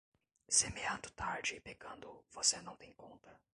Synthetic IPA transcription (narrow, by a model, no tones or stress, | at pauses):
semeɐ̃nd̪ʊt̪aɾd͡ʒɪpeɡɐ̃nd̪ʊvosenɐ̃w̃t̪ẽj̃kõnt̪ɐ